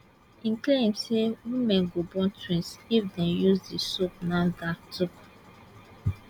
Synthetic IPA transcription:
ĩnklẽmsewimɛ̃nɡobɔ̃ntɹĩnsifdɛ̃njuzdisop̚nadatʰuk

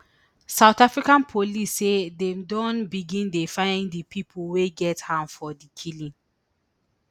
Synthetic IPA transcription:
sawtafɹikãnpʰolisːedɛ̃mdɔ̃nbiɡĩndefãɪ̃ndəpʰipʰlweɡɛthãmfɔdikʰilĩn

